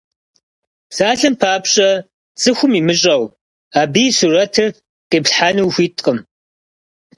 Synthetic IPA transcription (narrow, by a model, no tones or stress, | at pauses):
saːɬɨmpʰaːpɕʼɐ | t͡sʼɨxʷʊmiːmɨɕʼɐw | aːbisurɐtʰɨr | qeːpɬħaːnuwxʷiːtʼqʼəm